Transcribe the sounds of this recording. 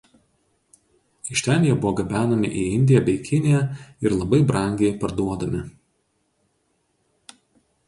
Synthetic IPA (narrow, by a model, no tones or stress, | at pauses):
ɪʃʲt̪ʲæːlʲɪjɛbʊʋɔːɡɐbʲæːnɐmʲɪ̰ʔiːɪnʲd̪ʲɪjɛbʲɛɪkʲɪnʲɪjɛɪɾlˠɐbɐɪbɾɐˑŋʲɡʲɛɪpɐɾd̪uɔd̪ɐmʲɪ